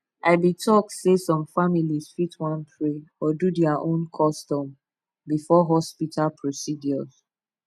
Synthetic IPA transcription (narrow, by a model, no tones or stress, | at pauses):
ʔaɪbitʰɔk̚tsesɔ̃mfamiliz̥fitwãnpʰɹeɔdudɛaʔõnkʰɔstɔ̃m | bifɔɦɔspitʰalpʰɹosidjɔz̥